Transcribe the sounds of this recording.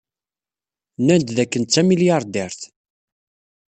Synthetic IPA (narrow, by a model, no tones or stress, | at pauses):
nænt̪ðækːənt͡sːæmiljɑɾˤd̪ɛɾθ